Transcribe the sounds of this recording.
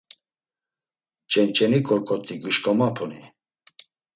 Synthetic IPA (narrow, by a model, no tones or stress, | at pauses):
t͡ʃʼɛnt͡ʃʼɛnikʼɔɾkʼɔt̪ʼiɡuʃkʼɔmapʰɔni